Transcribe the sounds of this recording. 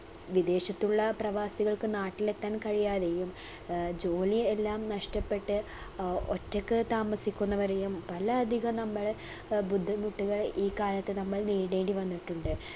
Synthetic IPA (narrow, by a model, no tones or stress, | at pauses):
ʋid̪e̞ːɕɐt̪ːuɭːɐprɐʋaːsiɣɐɭkɨnaːʈːilet̪ːaːnkɐɻijaːðe̞jum | d͡ʑo̞ːlie̞lːaːmnɐʂʈɐpːe̞ʈːɨ | o̰tːɐkːɨt̪aːmɐsikʲːunːɐʋɐɾejumpɐlɐːd̪ʱiɣɐnɐmːɐɭ | bud̪ʱːɐmuʈːuɣɐɭiːkaːlɐt̪ːenɐmːɐɭniːɽe̞ːɳɖiʋɐnːiʈːuɳɖɨ